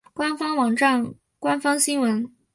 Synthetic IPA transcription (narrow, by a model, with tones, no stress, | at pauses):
kwa˥nfɑ˥ŋwɑ˨˩ŋʈ͡ʂa˥˩ŋ | kwa˥nfɑ˥ŋɕi˥ŋwə˧˥n